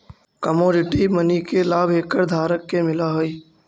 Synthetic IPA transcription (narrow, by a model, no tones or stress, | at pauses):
kəmoːɾɪʈimənikelaːbʱeːkəɾd̪ʱaːɾəkːemɪlaɦoi